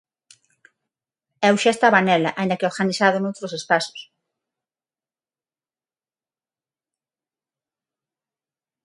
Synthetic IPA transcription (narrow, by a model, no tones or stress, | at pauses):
ɛwʃaest̪aβanɛlaʔaĩnd̪ɐkeoɾɣanisaðonowt̪ɾosespaso̥s